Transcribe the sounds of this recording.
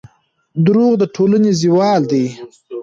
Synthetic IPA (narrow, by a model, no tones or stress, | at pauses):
d̪ʊɾuɣd̪əʈʰolaneziwɑld̪aj